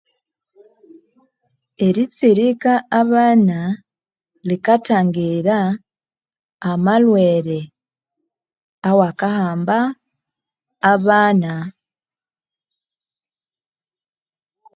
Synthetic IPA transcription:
e̞ɾit͡siɾikaːβaːna | likataːŋɡiɾa | malweːɾe | awakahaːmba | βaːna

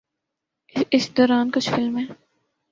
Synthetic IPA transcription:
ɪsd̪ɔːɾaːnkʊt͡ʃʰfɪlmɦɛː

